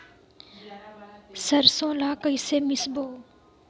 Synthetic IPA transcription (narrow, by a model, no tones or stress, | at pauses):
səɾsõːlaːkəiseːmɪsboː